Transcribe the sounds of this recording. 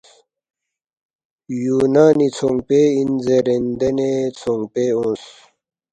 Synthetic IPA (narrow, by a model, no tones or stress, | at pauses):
juːnaːnit͡sʰoŋɡpeːinzeɾend̪enet͡sʰoŋpeõːns